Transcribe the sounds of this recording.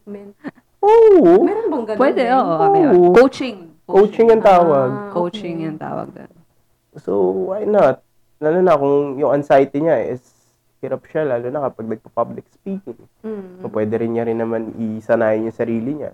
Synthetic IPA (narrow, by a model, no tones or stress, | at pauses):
ʔomɛnbɐɡɐpwɛd̪ɛʔoːʔookowt͡ʃɪŋ | kowt͡ʃɪŋjɐŋt̪aːwɐɡ̚kowt͡ʃɪŋjɐŋt̪a̰ːwɐ̰ɡ̚ɐ̰n | sowajnɐt̪̚ | lalonɐkʊŋjʊŋɐnsajt̪ɪɲaɪs | hɪɾɐp̚ʃalaːlonɐkɐpɐɡ̚nɐɡ̚pɐpablɪk̚spiːkɪŋ | opwɛːd̪ɛɾɪnɲɐɾɪnːɐmanɪsɐnaːjɪnjʊŋsɐɾiːlɪɲɐ̰